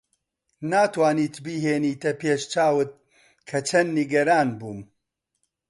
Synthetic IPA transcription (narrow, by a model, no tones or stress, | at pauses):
naːt̪waːniːt̪biːɦeːniːt̪ɐpeːʃt͡ʃaːwɨt̪̚ | kʰɐt͡ʃʰɐnːiɡɐɾaːnbuːm